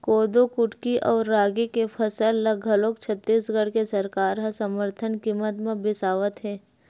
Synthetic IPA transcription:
koːd̪okʊʈkiʔɔːɾːaːɡikepʰɐsəlːɐɡʱəloːkt͡ʃʰət̪ːiːsɡəɽkesɐɾkaːɾɦɐ̃sɐməɾt̪ʰənkiːmːət̪mẽbɪsaːʋət̪ɦɛː

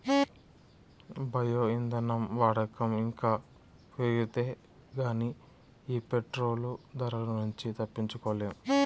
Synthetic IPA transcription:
bɐjoːind̪ɐnɐmʋaːɽɐkɐmiŋkaː | peɡit̪eː | ɡaːni | iːpeʈɾo̞ːlud̪ɐɾɐnuɲt͡ʃit̪ɐpːiɲt͡ʃukɔʋleːm

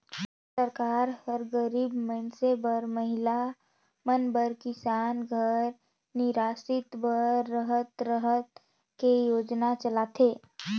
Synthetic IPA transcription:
səɾkaːɾhəɾɡəɾiːbmənsebəɾməɦɪla | mənbəɾkɪsaːnɡʱəɾ | nɪɾaːsɪt̪bəɾːəɦət̪ɾəɦət̪ | kejoːd͡ʒnat͡ʃəlaːt̪ʰeː

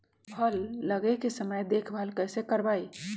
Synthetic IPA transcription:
pʰəlːəɡekesəməjd̪eːkʰbʱəlkəːsekəɾbaːi

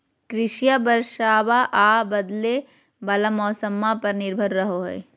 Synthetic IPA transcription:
kɾɪʃijabɐɾʃaːʋaʔaːbɐd̪le | bɐlamɔːsəmːapɐɾnɪɾbʱəɾːɐɦoɦḛː

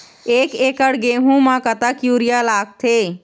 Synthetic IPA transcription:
eːkeːkəɽɡeːɦũmãkət̪aːkjuːɾɪjalaːk̚t̪ʰeː

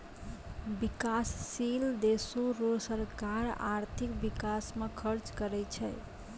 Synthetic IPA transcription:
bikasːild̪esoɾolsəɾkaɾa̰ɾt̪ʰikbikasmekʰəɾt͡ʃkəɾɛt͡ʃʰəj

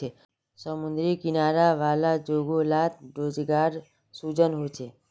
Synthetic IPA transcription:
e | səmund̪ɾikinaɾaʋalad͡ʒoɡolat̪̚ɾod͡ʒɡaɾ | sud͡ʒənɦot͡ʃʰe

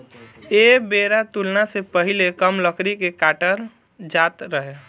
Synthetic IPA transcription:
ebeɾat̪ulnasepəɦilekəmləkɾikekaːʈəɾ | d͡ʒaːt̪ɾəɦe

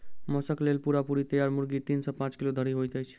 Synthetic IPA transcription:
mɔsəklelpuɾapuɾit̪əjaɾmuɾɡit̪iːnsɔpãt͡ʃkilod̪ʱəɾiɦojt̪əjt͡ʃʰ

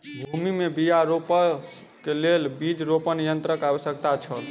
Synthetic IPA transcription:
bʱumimebijaɾopə | kelelbid͡ʒɾopənijənt̪ɾəkawəsjək̚t̪at͡ʃʰəl

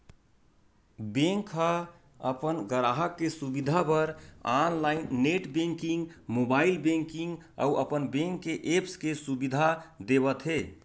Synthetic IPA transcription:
bẽŋka | əpənɡəɾaɦəkːesubid̪ʱapəɾanlaɪnːeʈbẽŋkĩŋɡmobailbẽŋkiŋɡ | a̰uʔəpənbẽŋkːeʔepskesubid̪ʱad̪eβət̪ɦe

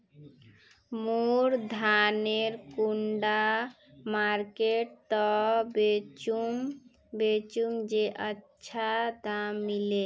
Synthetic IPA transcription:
muɾd̪ʱaneɾkuɳɖa | maɾkeʈ̚t̪ɔbet͡ʃum | bet͡ʃumd͡ʒeʔətːʃʰad̪amːile

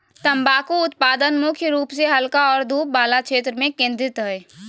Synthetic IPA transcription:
t̪əmbaːkuʊt̪̚paːd̪ənmʊkʰjəɾuːpseɦɐlkaɔːɾd̪ʱuːp̚baːlakʃeːt̪ɾəmẽkẽːnd̪ɾɪt̪ɦɛe

